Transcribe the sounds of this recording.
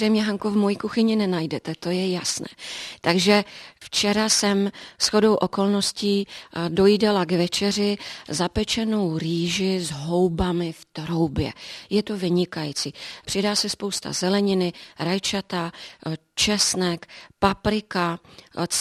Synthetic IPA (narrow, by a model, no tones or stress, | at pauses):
rɛjmɲɛɦaŋkuvmo̞jikuxɪɲɪnɛnajdɛt̪ɛt̪o̞jɛjasnɛ̰ːt̪aɡʒɛft͡ʃɛɾasɛmsxo̞do̞wʔo̞ko̞lno̞sciːdo̞jidɛlaɡvɛt͡ʃɛrɪzapɛt͡ʃɛnowɾiːʒɪzɦo̞wbamɪft̪ɾowbjɛ̰jɛt̪ovɪɲɪkajit͡siːpr̝̥ɪdaːsɛspo̞wst̪a̰zɛlɛɲɪnɪɾajt͡ʃat̪a | t͡ʃɛsnɛkpapɾɪka